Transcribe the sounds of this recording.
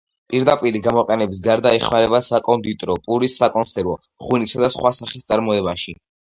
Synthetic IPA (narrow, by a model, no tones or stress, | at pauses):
pʼiɾd̪apʼiɾiɡamɔqʼɛnɛbis̬ɡaɾd̪aiχmaɾɛbasakʼɔnd̪it̪ʼɾɔpʼuɾisːakʼɔnsɛɾvɔ | χwinisad̪asχwasaχist̪sʼaɾmɔɛbaʃi